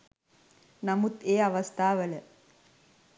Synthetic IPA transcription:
nɐmut̪eːɐʋɐst̪ʰaːʋɐlɐ

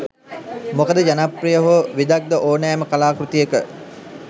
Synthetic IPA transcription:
mokəd̪əd͡ʒanaprijəɦoʋid̪ak̚d̪əʔoːnɛːməkalaːkɾut̪ijekə

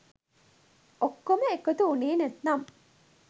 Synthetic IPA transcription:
okːoməekot̪uuneːnæt̪nam

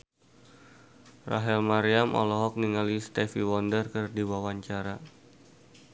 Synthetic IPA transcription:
ra̰ɦɛlmaɾiamʔɔ̰lɔɦɔk̚niŋalist̪ɛfiwɔndərkɨrdiwawaɲt͡ʃaɾa

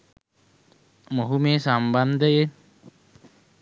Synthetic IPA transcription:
moɦumeːsamband̪əje

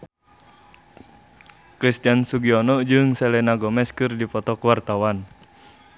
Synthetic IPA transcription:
kɾist̪iansuɡiɔnɔd͡ʒɨŋsɛlɛnaɡɔmɛskɨrdipɔt̪ɔkəwart̪awan

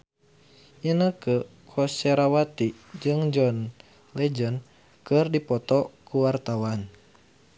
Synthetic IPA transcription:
ʔinəkəkʰɔsɛɾawat̪id͡ʒɨŋd͡ʒɔn | lɛd͡ʒən | kɨrdipɔt̪ɔkuwart̪awan

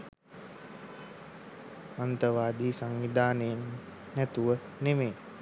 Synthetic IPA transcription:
mant̪əʋaːd̪iːsaŋʋid̪aːnejenː | æt̪uʋə | nemeː

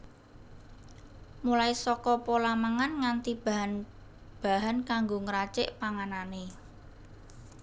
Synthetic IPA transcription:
mulaisɔkɔpolamaŋanŋant̪ib̥aɦan | b̥a̤ɦankaŋɡoŋəɾat͡ʃɪʔpaŋanane

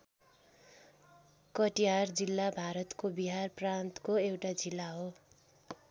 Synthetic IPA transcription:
kʌʈiard͡zilːabʱaɾʌt̪kobiɦarprant̪koewʈad͡zilːaɦo

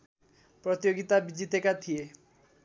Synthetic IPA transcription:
pɾɔt̪ijoɡit̪abid͡ʒit̪ekat̪ʰie

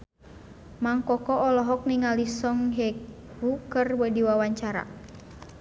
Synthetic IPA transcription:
maŋkɔkɔɔlɔɦɔk̚niŋalisɔŋɦɛk | hukərwədiwawaɲt͡ʃaɾa̰

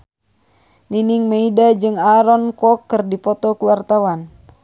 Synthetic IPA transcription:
niniŋmeidad͡ʒɨŋaɾɔnkɔkːɨrdipɔt̪ɔkuwart̪awan

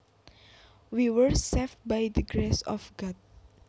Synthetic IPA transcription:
wiwəɹsef̚bajd̪əɡɾesɔ̰fɡɔd̪̚

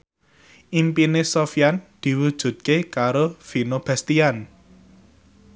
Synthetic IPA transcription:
ʔimpinesofijand̪̥i̤wud̥ʒ̥ṳt̪̚kekaɾofinob̥ɛst̪ian

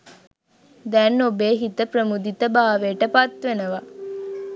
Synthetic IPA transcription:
d̪ɛːnːobeːɦit̪əprəmud̪it̪əbaːʋeːʈəpat̪ʋenəʋa

